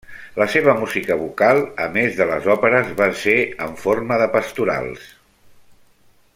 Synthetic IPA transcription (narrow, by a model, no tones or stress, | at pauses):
ləseβ̞əmuzikəβukalˠəmezðələ̰zɔpəɾəzβaseəɱforməðəpəst̪uɾa̰lˠs